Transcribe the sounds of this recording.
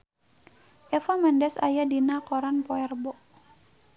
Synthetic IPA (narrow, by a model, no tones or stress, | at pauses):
ʔɛfamɛndɛsajadinakɔɾanpɔɛrbɔʔ